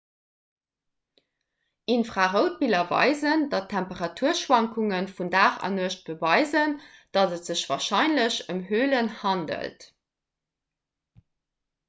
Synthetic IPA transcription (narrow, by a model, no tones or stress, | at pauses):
ʔinfʁaʁəʊt̚bilɐvɑ̰ɪzəndɑtʰæmpəʁɑtʰuːɐʃwɑŋkʰuŋənfundaːχɑ̰nuɐʃt̚b̥əvɑɪzənd̥ɑtətz̥əɕvɑːʁʃɑɪnləɕəmɦøːlənhɑndə̰lt